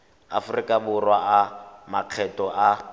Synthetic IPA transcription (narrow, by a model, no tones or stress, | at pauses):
a̰fʊrikʼabʊrwaʔamaq͡χʰɛtʼɔʔa